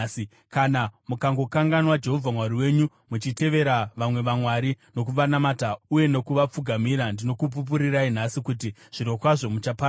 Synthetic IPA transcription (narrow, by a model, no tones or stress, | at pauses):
kanamukaŋɡo̞kaŋɡanwad͡ʒe̞ɦo̞vʱamwaɾiwe̞ːɲu | mut͡ʃite̞ʋe̞ɾaʋamwe̞ʋamwaɾino̞k̬uʋanamatauje̞no̞kuʋap͡fuɡʱamiɾandino̞kup̬up̬uɾirain̤asikutiʐ̥iɾo̞kwaʐo̞mut͡ʃapa